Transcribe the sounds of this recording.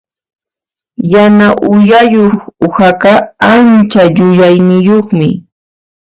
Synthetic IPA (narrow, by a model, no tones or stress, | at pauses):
janaʔʊjajoχʊhakɑant͡ʃaʎʊʎajnɪjoχmɪ̰